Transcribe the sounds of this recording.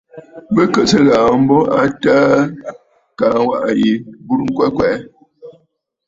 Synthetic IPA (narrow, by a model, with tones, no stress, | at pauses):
bə˦kə˨sə˦ɣaː˨m̩˦bɔ˦a˦taː˦ | ka˨˦wa˦ʔa˨ji˨bu˦ɾŋ̩˦kwɛ˦kwɛː˨˦